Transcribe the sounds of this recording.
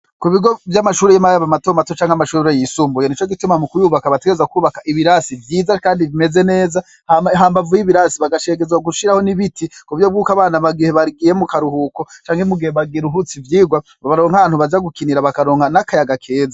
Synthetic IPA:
kuβiɡo̞vjamaʃuːɾejimajaβamatomatot͡ʃaːŋhamaʃuuɾejisuːmbujenit͡ʃo̞ɡitumamukujuːβakaβateɡeɾezakuːβakaʔiβiɾasivjiːzakaːndiβime̞ze̞ne̞ːza | haɦaːmbavujiβiɾaːsiβaɡaʃe̞ɡezwaɡuʃiɾaho̞niβitikuβvjo̞bɡuːkaβaːnaβaɡihe̞βaɾɡije̞mukaɾuhukot͡ʃaːŋhemuɡihe̞βaɡiɾuɦut͡sivjiːɡwaβaβaɾo̞ːŋhaβaːnhuβad͡ʒaɡukiniɾaβakaɾo̞ːŋhanakajaɡakʰe̞ːza

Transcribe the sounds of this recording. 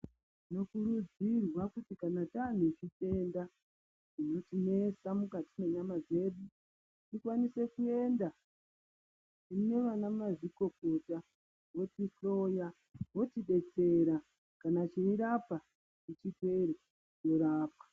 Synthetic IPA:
no̞kuɾud͡zirwakutikanatan̤ut͡ʃite̞nda | ino̞tine̞samukatine̞ɲamaze̞ɗu | tikwanise̞kue̞nda | ine̞ʋanamaʐiko̞ko̞ta | wo̞tiɬo̞ja | wo̞tiɗe̞t͡se̞ɾa | kanat͡ʃeiɾapa | it͡ʃitwe̞ɾe | t͡ʃo̞ɾaːpḁ

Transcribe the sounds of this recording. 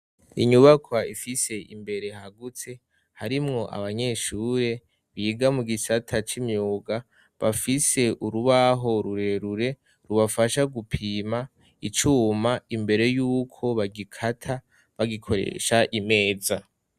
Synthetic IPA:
iɲuβakwaifise̞ʔḭmbe̞ɾe̞ɦaɡut͡se̞ | haɾimŋo̞ʔa̰βaɲe̞ːʃuːɾe̞ | βiːɡamuɡisatʰat͡ʃimjoːɡa | βafise̞ʔuɾuβaɦo̞ɾuɾe̞ɾuɾe̞ | ɾuβafaʃaɡupʰiːma | it͡ʃuːmaimbe̞ɾe̞juːkʰo̞βaɡikʰatʰa | βaɡikʰo̞ɾḛʃaʔime̞ːza

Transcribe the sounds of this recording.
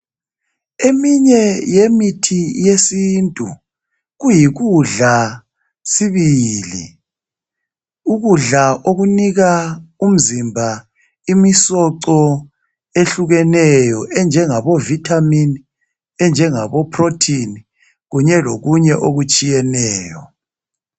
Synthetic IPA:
emiɲɛjemitʰijesiːntʼṵ | ɣujiɣuɮa | siβilḭ | uɣuɮaʔoɣuniɣaum̩zimbʱa | imisɔǀɔ | eɬuɣɛnɛjɔʔɛnd͡ʒʱɛŋaβɔvitʰʼamin | ɛnd͡ʒʱɛŋaβɔpʰrotʰini | ɣuɲɛloɣuɲɛʔoɣut͡ʃʼijɛnɛːjɔ

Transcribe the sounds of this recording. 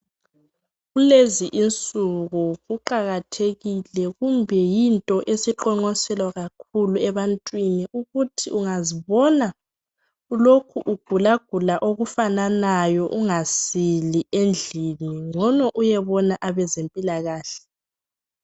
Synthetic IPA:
ɣuleziʔint͡sʼuɣuɣuǃaɣatʰeɣilɛɣumbʱɛjintʼɔʔesiǃɔŋ͡ǃɔsɛlwaɣakʰuluɛβantʼwiniʔuɣutʰiuŋaziβɔna | ulokʰuʔuɡ̥ʱulaɡ̥ʱulaʔoɣufananajɔʔuŋasiliend͡ɮʱiniŋɔnɔʔujɛβɔnaʔaβɛzempʼilaɣaːɬɛ̥

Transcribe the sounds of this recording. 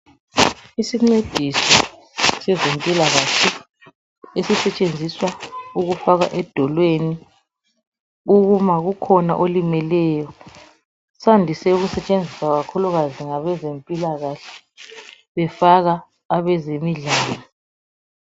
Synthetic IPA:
isiŋ͡ǀed̥ʱisɔ | sɛzempʼilaɣaɬɛ | esisɛt͡ʃʼend͡zʱiswauɣufaɣa̰ʔɛd̥ʱɔlweni | uɣumaɣukʰɔna̰ʔolimɛlɛjɔ | sandʱisɛuɣusɛt͡ʃʼend͡zʱisaɣakʰuluɣaziŋaβɛzempʼilaɣaɬɛ̥ | βɛfaɣaː | βɛzemiɮaːlɔ

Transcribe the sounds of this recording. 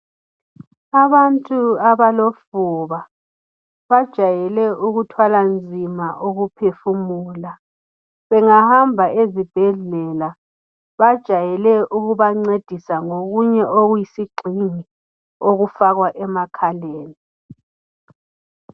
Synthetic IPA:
aβantʼuaβalofuβa | βad̥ʒ̥ʱajɛlɛuɣutʰwaland͡zʱimaʔoɣupʰefumuːla | βɛŋahambʱaezib̥ʱɛɮɛla | βad̥ʒ̥ʱajɛlɛʔuɣuβaŋ͡ǀed̥ʱisaŋoɣuɲɛʔoɣujisiɡ͡ǀʱiŋi | oɣufaɣwaʔɛmakʰaleːni

